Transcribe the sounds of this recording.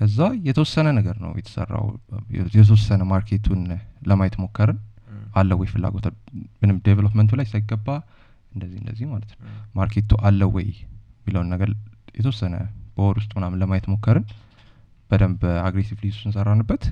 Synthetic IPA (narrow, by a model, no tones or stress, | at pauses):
kʰəzːajɛt̪ʰəwɔsːənənəɡəɾnə̰wjɛ̰t̪ʰə̥sə̰rːa̰wjɛt̪̬ʰəwɔsːənəmaɾkʰet̪ʰunləmajɛt̪mo̞kːəɾɨnʔalːəwɔjfɨlːa̰ɡo̞t̪ʰalmɨnɨmd̪evelopmənt̪ʰulajsajɪɡəbːa | ɨnd̪əzːihɨnd̪ə̰zːihmalət̪nəwmaɾkʰet̪uʔalːəwɔ̰jmːiləwunːəɡəɾjɛt̪ʰəwɔsːənə̰b̥əwɔɾwʊst̪ʼunamnləmajɛt̪mo̞kːəɾɨn | b̥əd̪əmbəaɡɾesivlisusɨnsərːanːɨbːət̪